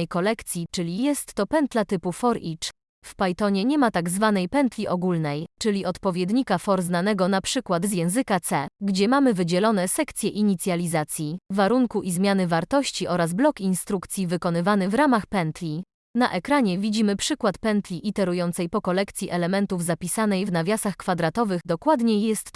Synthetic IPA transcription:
jkɔlɛkt̪sʲjit͡ʂɘlʲijɛst̪ːɔpɛnt̪lat̪ɘpufɔɾit͡ʂ | fpajt̪ɔɲɛɲɛmat̪aɡzvanɛjpɛnt̪lʲiʔɔɡulnɛjt͡ʂɘlʲiʔɔt̪pɔvʲjɛd̪ɲikafɔɾznanɛɡɔnapʂɘkwad̪zjɛ̃w̃zɘkat̪sɛɡd͡ʑɛmamɘvɘd͡ʑɛlɔnɛsɛkt̪sʲjɛʔiɲit̪sʲjalʲizat̪sʲjivaɾuŋkuʔizmʲjanɘvaɾt̪ɔɕt͡ɕiʔɔɾazblɔkinst̪ɾukt̪sʲjivɘkɔnɘvanɘvɾamaxpɛnt̪lʲi | naʔɛkɾaɲɛvʲid͡ʑimɘpʂɘkwat̪pɛnt̪lʲiʔit̪ɛɾujɔnt̪sɛjpɔkɔlɛkt̪sʲjiʔɛlɛmɛnt̪uvzapʲisanɛjvnavʲjasaxkfad̪ɾat̪ɔvɘɣd̪ɔkwad̪ɲɛjɛst̪

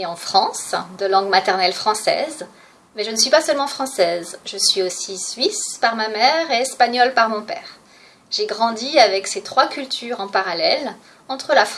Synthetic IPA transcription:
ɑ̃fχɑ̃sd̪əlɑ̃ɡmat̪ɛʁnɛlfχɑ̃sɛ̰z | mɛʒənəsɥipasœlmɑ̃fχɑ̃sɛzʒəsɥiosisɥispaʁmamɛʁeɛspaɲɔlpaʁmɔ̃pɛ̰ːʁ | ʒ̥eɡʁɑ̃d̪iavɛkset̪χwakʲylt̪ʰyʁɑ̃paʁalɛl | ɑ̃t̪χəlaf

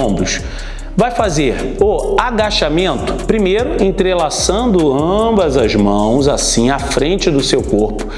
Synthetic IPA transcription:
bʊʃ | vajfazeɾoaɡaʃamẽnt̪ʊ̥pɾimejɾʊẽnt̪ɾelasɐ̃nd̪ʊɐ̃bɐzɐzmɐ̃w̃zasĩafɾẽnt͡ʃɪd̪ʊsewkoɾpʊ̥

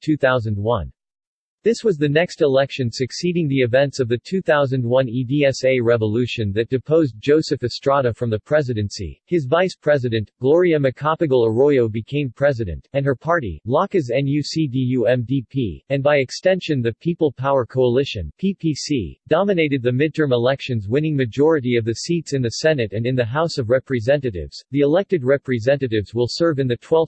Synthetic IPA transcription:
tʰʉθaʊzɨ̃n̩d̚wʌ̰̃n | ðɪswʌzðɨnɛkstəlɛkʃɨ̃nsɨksiɾɪ̃ŋðiɨvɛ̃ntsʌvðɨtʰʉθaʊzɨ̃nd̚wʌ̃nidiɛseɪɹɛvəlʉʃɨ̃nðɨt̚d̥ɨpʰoʊzd͡ʒoʊsɨfɨstɹ̥ɑɾɨfɹʌ̃mðɨpʰɹ̥ɛzɨɾɨ̃nsḭɨzvaɪspʰɹ̥ɛzɨɾɨ̃nʔɡ̥lɔɹiɨmɨkʰɑpɨɡl̩ˠəɹɔɪoʊbɨkʰẽɪ̃mpʰɹ̥ɛzɨɾɨ̰̃ntɨ̃nə˞pʰɑɹɾḭlɑkɨzɛ̃njʉsidijʉɛ̃mdipʰḭɨ̃nbaɪɨkstɛ̃nʃɨ̃nðɨpʰipl̩ˠpʰaʊə˞kʰoʊəlɪʃɨ̰̃npʰipʰisḭdɑmɨneɪɾɨd̪̚ðɨmɪd̚tʰɜ̃˞məlɛkʃɨ̃nzwɪ̃nɪ̃ŋmɨd͡ʒɔɹɨɾiʌvðɨsitsɨ̃nðɨsɛnɨɾɨ̃nɨ̃nðɨɦaʊsʌvɹɛpɹɨzɛ̃nɨɾɪ̰vz̥ðiɨlɛk̚tɨd̚ɹɛpɹɨzɛ̃nɨɾɪvzwɪlˠsɜ˞vɨ̃nðɨtʰw̥ɛlˠf

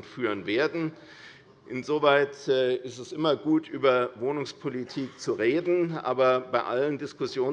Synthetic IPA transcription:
nfyːʁənveːɐdn̩ | ʔɪnzoːvaɪtːɪstɛsʔɪmɐɡuːtʔyːbɐvoːnʊŋspʰolitʰiːkt͡suʁeːdn̩ʔa̰ːbɐbaɪʔa̰ləndɪskʊsjoː

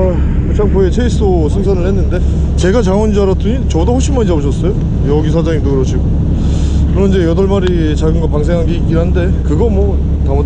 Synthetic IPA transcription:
t͡ɕʰamkʌet͡ɕʰeis͈o | sʰɯŋs̬ʰʌnɯɭhe̞nːɯnde̞ | t͡ɕe̞ɡat͡ɕaŋʌnd͡ʑuaɾʌtʰɯɲit͡ɕʌdohoɕ͈ʰimaɲʌbuɕʰʌs͈ʌjo | jʌɡisʰad͡ʑaŋitokɯɾʌɕʰiɡo | kɯɾʌnid͡ʑe̞jʌdʌɭmaɾi | t͡ɕaɡɯnɡʌpaŋs̬ʰe̞ŋɦanɡe̞ik͈iɾɦande̞kɯɡʌmwʌ | tamʌ

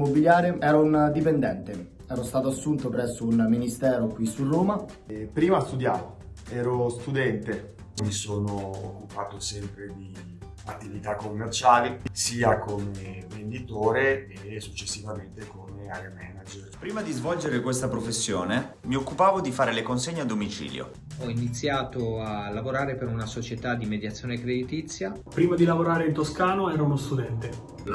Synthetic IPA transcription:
mobiljaːɾeɛːɾaund̪ipend̪ɛnt̪e | ɛːɾost̪aːt̪oasːunt̪opɾɛsːounminist̪ɛːɾokwisːuroːma | pɾiːmast̪ud̪jaːvoɛːɾost̪ud̪ɛnt̪e | misoːno̰ːkːupaːt̪osɛmpɾed̪i | at̪ːivit̪akːomːert͡ʃaːlisiːakomevend̪it̪oːɾeː | sut͡ʃːesːivament̪ekomeaɾamɛnad͡ʒeɾpɾiːmad̪izvɔld͡ʒeɾekwest̪apɾofesːjoːnemiokːupaːvod̪ifaːɾelekonseɲːad̪ːomit͡ʃḭːljo̰ | ɔinit̪sːjaːt̪oalːavoɾaːɾepeɾunasot͡ʃet̪ad̪imed̪jat̪sːjoːnekɾed̪it̪it̪sːja | pɾiːmad̪ilavoɾaːɾeint̪oskaːnoɛːɾounost̪ud̪ɛnt̪e

